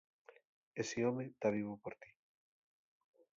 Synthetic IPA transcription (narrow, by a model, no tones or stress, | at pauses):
esiomet̪aβ̞iβupoɾt̪i̥